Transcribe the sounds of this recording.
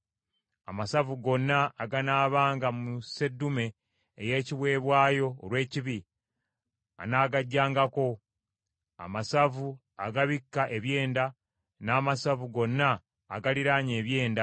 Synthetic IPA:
a̰masavuɡo̞nːaːɡanaːβaːŋɡamuse̞dːume̞ː | je̞ːciβwe̞ːβwaːjo̞̰ːlwe̞ːciβi | a̰naːɡaɟːaːŋɡako̞ | a̰masavu | aɡaβikːaʔe̞βje̞ːnda | naːmasavuɡo̞nːaː | ɡaliɾaːɲe̞ːβje̞ːnda

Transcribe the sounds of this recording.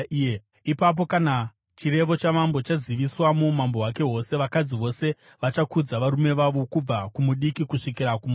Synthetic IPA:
ipap̬o̞kana | t͡ʃiɾe̞ʋo̞t͡ʃamambo̞t͡ʃaziʋiswamumambo̞ɦwake̞ɦo̞se̞ʋakad͡ziʋo̞se̞ | ʋat͡ʃakud͡zaʋaɾume̞ʋaʋo̞kub͡vakumuɗikikuʂikiɾakuma

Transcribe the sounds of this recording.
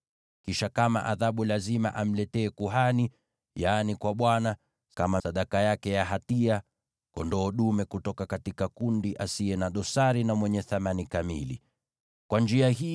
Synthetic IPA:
kiʃakama̰ʔaðaɓulazima̰ʔam̩lɛtɛːkuɦani | janikwaɓwana | kamasaɗakajakɛjaɦatia | kɔ̰ndɔːɗumɛkutɔkakatikakundiʔasiɛnaɗɔsaɾinamwɛɲɛθamanikamḭlḭ | kwand͡ʒiaɦi

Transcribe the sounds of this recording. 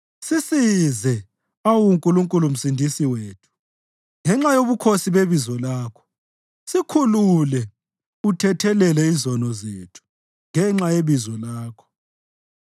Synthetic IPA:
sisizɛ | awuŋkʼuluŋkʼulum̩sindʱisiweːtʰu̥ | ŋɛŋ͡ǁajoβukʰosiβeβizɔlaːkʰɔ̥ | sikʰululɛ | utʰɛtʰɛlɛlɛizɔnɔzetʰu̥ | ŋɛŋ͡ǁajeβizɔlaːkʰɔ̥

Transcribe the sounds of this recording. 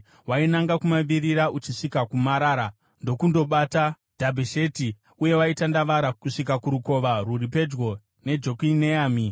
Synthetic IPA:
wainaŋɡakumaʋiɾiɾaʔut͡ʃiʂikakumaɾaːɾa | ndo̞kundo̞ɓata | d̥ʱabʱeʃe̞ti | uje̞waitandaʋaɾakuʂikakuɾuko̞ʋaɾurip̬e̞d͡ʒɡo̞ | ne̞d͡ʒo̞kineaːmi

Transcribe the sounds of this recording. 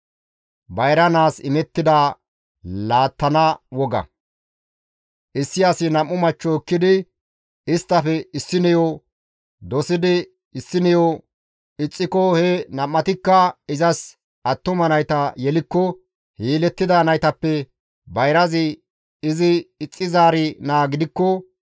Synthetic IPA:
bɐjɾɐnaːsɪ̰mɛt̪ːɪd̪a | laːt̪ːɐnɐwɔɡɐ̰ | ʔɪsːɪjɐsɪnɐmːʊmɐt͡ʃːɔːkːɪd̪ɪ | ɪst̪ːɐfɛɪsːɪnɛjɔ | d̪ɔsɪd̪ɪ | ɪsːɪnɛjɔ | ɪt͡sʼːɪkɔhɛnɐmːɐt̪ɪkːɐɪzɐs | ɐt̪ːʊmɐnɐjt̪ɐjɛlɪkːɔ | hiːlɛt̪ːɪd̪ɐːnɐjt̪ɐpːɛ | bɐjɾɐzɪ | ɪzɪɪt͡sʼːɪzaːɾɪnaːɡɪd̪ɪkːɔ

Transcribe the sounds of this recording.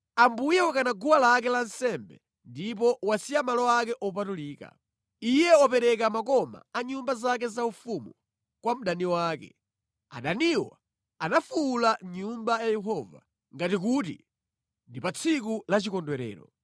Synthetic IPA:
ambujɛwakanaɡuwalak̬ɛlan̩sɛmbɛ̰ | ndip̬ɔwasijamalɔakɛʔɔpatuliːka̰ | ijɛɔpɛɾɛkamakɔma̰aɲumbazak̬ɛzaufumu | kwam̩ɗaniwaːkɛ̰ | a̰ɗaniwɔ̰ | anafuːlaɲumbajajɛɦɔva̰ | ŋɡatik̬utḭ | ndipat͡sʰik̬ulat͡ʃikɔndwɛɾɛ̰ːɾɔ̰

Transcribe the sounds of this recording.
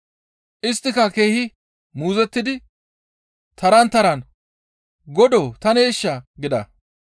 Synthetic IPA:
ʔɪst̪ːɪkɐke̞ːhɪ | muːzɛt̪ːɪd̪ɪ | t̪ɐɾɐnt̪ɐɾɐn | ɡɔd̪oːt̪ɐneːʃːɐɡɪd̪ɐ̰

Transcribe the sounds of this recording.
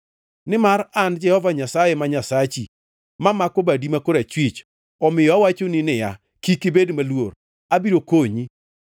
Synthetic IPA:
nɪmaɾand͡ʒɛhɔvaɲasajemaɲasat͡ʃḭ | mamakɔbadimakoɾat͡ʃwit͡ʃ | ɔmɪjɔawat͡ʃoninɪja̰ | kikɪbedmalwo̰ɾ | abiɾokoɲi

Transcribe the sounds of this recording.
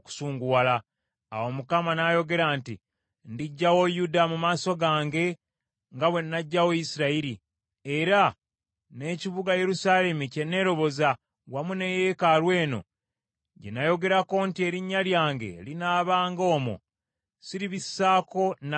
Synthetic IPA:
ku̥suːŋɡuwala | a̰wo̞mukamanajo̞ɡe̞ɾaːntḭ | ndiɟːawo̞judamumaːso̞ɡaːŋɡe̞ | ŋɡaβwe̞nːaɟːawoisiɾaiɾi | e̞ɾa | ne̞ciβuɡaje̞ɾusaːle̞muce̞nːe̞ɾo̞βo̞za | wamune̞je̞kalwe̞ːno̞̰ | ɟḛnajo̞ɡe̞ɾako̞ntie̞ɾiɲːaljaːŋɡe̞̰linaːβaːŋɡo̞ːmo̰ | siɾiβisːaːko̞n

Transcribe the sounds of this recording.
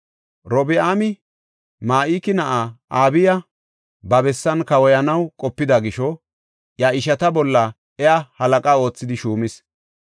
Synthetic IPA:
ɾɔbɪaːmɪ | maːʔiːkɪnɐʔaʔaːbɪjɐ | bɐbɛsːɐnkɐwɔjɐnɐwkʼɔpːɪd̪ɐɡɪʃɔ | jaɪʃɐt̪ɐbɔlːɐ | ɛahɐlɐkʼao̞ːt͡sːɪd̪ɪʃuːmɪs

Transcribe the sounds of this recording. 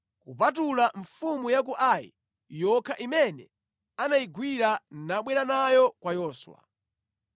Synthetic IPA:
kupat̬ulaɱfumujak̬uʔajḭ | jɔkʰaʔimɛnɛ | anaiɡwiɾanaɓwɛɾanajɔkwajɔːswa̰

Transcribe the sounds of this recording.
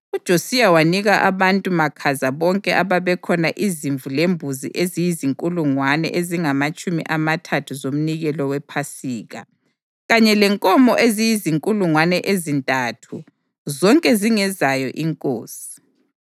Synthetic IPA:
ud̥ʒ̥ʱosijawaniɣaʔaβantʼumakʰazaβɔŋkʼɛʔaβaβɛkʰɔnaʔiziɱvulembʱuzḭʔezijiziŋkʼuluŋwanɛ̰ʔeziŋamat͡ʃʼumḭʔamatʰatʰuzom̩niɣɛlɔwɛpʰasiːɣa̰ | ɣaɲɛlɛŋkʼɔmɔʔezijiziŋkʼuluŋwanɛʔezintʼatʰu | zɔŋkʼɛziŋɛzajɔʔiŋkʼo̰ːsi̥

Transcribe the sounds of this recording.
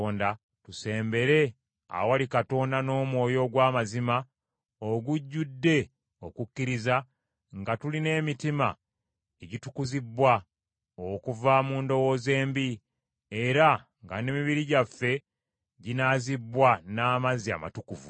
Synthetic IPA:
oːnda | tuse̞ːmbe̞ɾe̞ | a̰walikato̞ːndano̞ːmwo̞ːjo̞ɡwaːmazima | oɡuɟːudːe̞ | o̞kukːiɾiza | ŋɡatuline̞ːmitima̰ | eɟitukuzibwa | okuvamuːndo̞wo̞ːze̞ːmbi | e̞ɾa | ŋɡa̰ne̞ːmiβiɾiɟafːe̞ | ɟinazibwanaːmazia̰ma̰tukuvṵ

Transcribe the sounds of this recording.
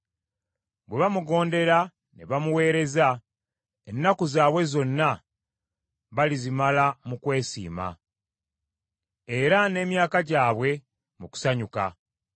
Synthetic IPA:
bwe̞βamuɡo̞ːnde̞ɾa | neβamuwe̞ːɾe̞za | enːakuzaːβwe̞zo̞nːa | βalizimalamukwe̞ːsḭːma̰ | e̞ɾane̞ːmjaːkaɟaːβwe̞ | muku̥saɲuka̰

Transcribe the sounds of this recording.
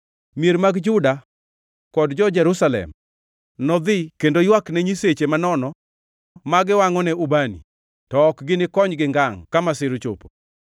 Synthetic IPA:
mieɾmaɡd͡ʒʊda | kɔdd͡ʒɔd͡ʒɛɾusalɛ̰m | nɔd̪ɪkendojwaknɛɲiset͡ʃemanɔnɔ | maɡɪwaŋɔnɛubanḭ | tɔːkɡɪnɪkɔɲɡɪŋɡaŋkamasɪɾt͡ʃo̰po̥

